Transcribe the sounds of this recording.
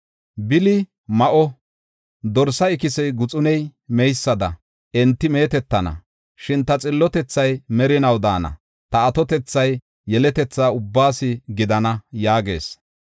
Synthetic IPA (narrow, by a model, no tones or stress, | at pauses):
bɪlɪ | mɐʔɔ | d̪ɔɾsɐɪkɪsɛjɡʊt͡sʼʊnɛjmɛjsːɐd̪ɐ | ɛnt̪ːɪme̞ːt̪ɛt̪ːɐnɐ̰ | ʃɪnt̪ɐt͡sʼɪlːɔt̪ɛt͡sːɐjmɛɾɪnɐwd̪aːnɐ̰ | t̪ɐːt̪ɔt̪ɛt͡sːɐjː | ɛlɛt̪ɛt͡sːaːʊbːaːsɪɡɪd̪ɐnɐjaːɡe̞̰ːs